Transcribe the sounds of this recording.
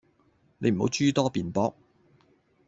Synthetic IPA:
ne˨˧jm̩˨˩ho̰˨˧˥wt͡ʃyː˥t̪ɔː˥piː˨npɔː˥k̚

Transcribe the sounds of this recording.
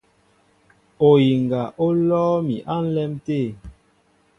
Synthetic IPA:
o˨ji˨ŋ˨ɡa˨ʔo˦lɔː˦mi˨ʔa˦n̩˦lɛ˦mteː˦˨

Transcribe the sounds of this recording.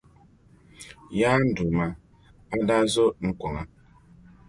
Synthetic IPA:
ja˦n̩˦du˨ma˨ | a˦da˦zo˦ŋ̩˦kʷɔ˨ŋa˨

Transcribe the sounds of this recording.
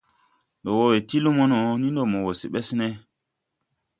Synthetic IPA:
ndo˨wo˦we˨ti˦lu˦mo˦no˨nĩ˦ndo˨mo˨wo˨si˨ɓe˦sne˦

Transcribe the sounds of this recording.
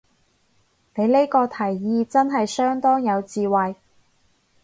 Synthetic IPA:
ne˨˧jle˥jkɔː˧t̪ʰɐ˨˩jːiː˨˧t͡sɐ˥nɦɐ˨jsœː˥ŋt̪ɔː˥ŋjɐ˨˧wt͡siː˨wɐ˨j

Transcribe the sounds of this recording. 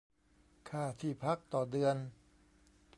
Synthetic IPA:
kʰaː˧˥˩t̪ʰiː˧˩pʰa˦˥k̚t̪ɔː˨˩dɯ˧ən

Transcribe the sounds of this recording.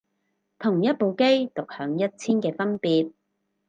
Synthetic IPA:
t̪ʰʊ˨˩ŋjɐ˥t̚po˨˧wke˥jt̪ʊ˨k̚hœː˨˧˥ŋjɐ˥t̚t͡sʰiː˥nkɛː˧fɐ˥npiː˨˧t̚

